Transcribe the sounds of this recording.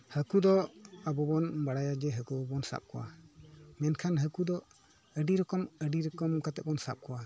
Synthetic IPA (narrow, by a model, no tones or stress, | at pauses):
həkud̪ɔabɔbɔnbaɽajad͡ʒɛɦəkubɔnsa̰p̚kɔwa̰ | mɛnkʰanɦəkud̪ɔ | əɖiɾɔkɔməɖiɾɔkɔmkat̪ɛʔbɔnsa̰p̚kɔwa